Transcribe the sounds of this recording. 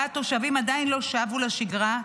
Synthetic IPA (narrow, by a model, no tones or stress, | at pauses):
at̪o̞ʃavimad̪ainlo̞ʃaavulaʃiɡʁa